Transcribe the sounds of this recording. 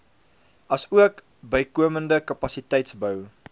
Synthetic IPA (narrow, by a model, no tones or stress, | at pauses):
ɐsuək | bəjkuəməndəkɐpɐsitɛjtsbœw